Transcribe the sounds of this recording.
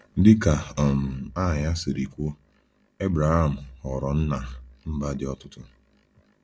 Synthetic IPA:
dɪ˦ka˨m̩˨a˦˨ɲa˦sɪ˨ɾi˨kʷo˦ | e˦bɾa˨ɣa˦˨m̩˨hɔ˨ɾɔ˨n̩˦na˨m̩˦ba˦dɪ˦ɔ˦tʊ˦tʊ˦

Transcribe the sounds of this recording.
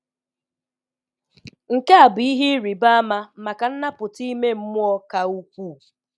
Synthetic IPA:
ŋ̩˨ke˦a˨bʊ˨i˦ɦi˦ɾi˨ba˦a˦ma˦˨ma˨ka˨n̩˦na˦pʊ˨ti˦me˦m̩˦mʊ˦ɔ˦ka˨u˦kʷu˦˨

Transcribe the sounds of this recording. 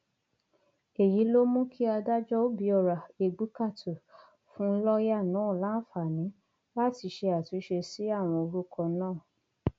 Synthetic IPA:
e˨ji˨˦lo˦mũ˦kʰi˦a˧da˦d͡ʒɔ˦o˦bi˨˧˦ɔ˧˨ɾa˨e˧ɡ͡bu˨˦ka˦˨to˨ | fũ˦lɔ˦ja˦˨nã˨˦˨la˦fa˨nĩ˨˦ | la˦ti˧ʃe˧a˨tĩ˨˦ʃe˧si˨˦a˦˨w̃ɔ̃˧o˧ɾu˦kɔ̃˧nãː˦˨

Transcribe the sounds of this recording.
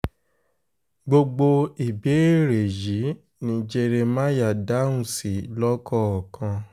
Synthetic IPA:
ɡ͡bo˧ɡ͡bo˧i˨be˨˦˨ɾe˨ji˨˦ | nĩ˧˦d͡ʒe˧˦ɾe˧mã˦ja˨da˦ũ˦si˨lɔ˦kɔ˦˨ɔ˨kʰã˧

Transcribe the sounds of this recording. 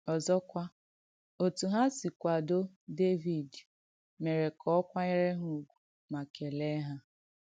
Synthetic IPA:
ɔ˨zɔ˦kʷa˦ | o˨tu˨ɦa˦si˨kʷa˨do˦ | de˦vi˨d | me˨ɾe˨kʰɔ˦kʷa˦ɲe˦ɾe˦ɦu˦˨ɡʷu̥˨ | ma˨ke˨le˦ɦa˦

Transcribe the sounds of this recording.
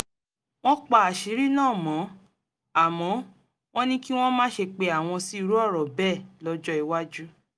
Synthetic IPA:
w̃ɔ̃˦k͡pa˨a˨ʃi˨˦ɾi˦nãː˦˨mɔ̃˨˦ | a˨mɔ̃˨˦ | w̃ɔ̃˦nĩ˦ki˦w̃ɔ̃˦mãː˦ʃe˧k͡pe˧a˨w̃ɔ̃˧si˦i˧ɾu˦ɔ˦˨ɾɔ˨bɛ˦˨lɔ˦d͡ʒɔ˦i˨wa˦d͡ʒu˦

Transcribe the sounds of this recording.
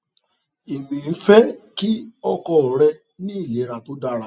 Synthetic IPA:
i˨mĩ˨n̩˦fɛ˦ki˦ɔ˧kɔ˦ɔ˨ɾɛ˧ | nĩ˦i˦˨le˨˦ɾa˨to˦da˦˨ɾa˨

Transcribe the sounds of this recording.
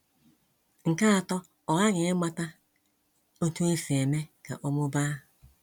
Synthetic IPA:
ŋ̩˨ka˦˨tɔ˦ | o˨ɣa˦ɣe˨e˦ma˦ta˦ | o˦tu˦e˦fe˨me˦ka̰˨ʔo˦mo˦baː˦

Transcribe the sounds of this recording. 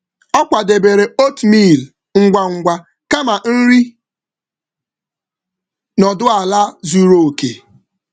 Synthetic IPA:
ɔ˦kʷa˨de˨be˨ɾe˨o˦tmi˦˨l | ŋ̩˦ɡʷa˨ŋ̩˨ɡʷa˦ | ka˦ma˨n̩˦ɾi˦ | nɔ˨dʊ˦a˨la˦zu˦ɾo˨o˨ke˨

